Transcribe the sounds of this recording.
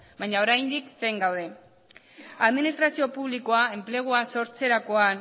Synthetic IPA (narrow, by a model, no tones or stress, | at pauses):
baɲao̞ɾajnd̪ikse̞jŋɡawðe̞ | aðminist̪ɾasio̞puβliko̞ae̞mple̞ɣ̞oaso̞ɾt͡se̞ɾako̞an